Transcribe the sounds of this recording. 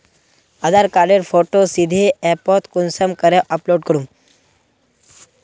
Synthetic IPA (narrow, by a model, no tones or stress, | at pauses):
əd̪aɾkaɾɖeɾfoʈosid̪ʱeɛpɔt̪kunsəmkəɾeʔəploɖkəɽum